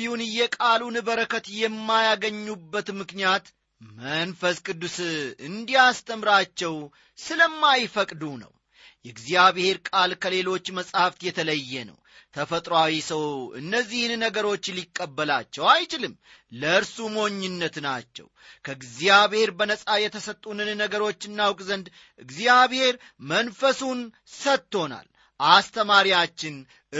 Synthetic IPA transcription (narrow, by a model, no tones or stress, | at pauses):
ihunɨjːɛkʼalunɨβəɾəkʰət̪jɛmːajaɡəɲːubːət̪mɨknijat̪ | mənfəskʼɨd̪ːusɨnd̪ijast̪ʰəmɾat͡ʃːɛw | sɨləmːajfəkʼd̪unə̰w | jɛɡziaβɪhe̞ɾkʼalkʰəle̞lo̞t͡ʃːməsʼhaft̪jɛt̪ʰələjːɛnə̰w | t̪ʰəfət̪ʼɾawisəwɨ̰nːəzːihnnəɡəɾo̞t͡ʃːlikʼːəbːəlat͡ʃːɛwajt͡ʃɪlɨmːləɨɾsumo̞ɲːɨnːət̪nat͡ʃːɛ̰wkʰəɡzijaβhe̞ɾbənəsʼajɛt̪ʰəsət̪ʼːunɨnnəɡəɾo̞t͡ʃːɨnːawkʼzənd̪ | ʔɨɡzijaβhe̞ɾmənfəsun | sət̪ːo̞na̰l | ʔast̪ʰəmaɾjat͡ʃːɪn